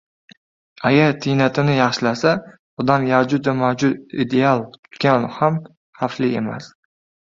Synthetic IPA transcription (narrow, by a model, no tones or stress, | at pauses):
aɡʲaɾt̪ʰɪjnat̪ʰɪnɪjɑχʃɪlasa | ʊd̪anjad͡ʒʊt̪vamawd͡ʒʊt̪ḭd̪e̞alˠt̪ʰʊ̥t̪kʲanham | haflɪema̰s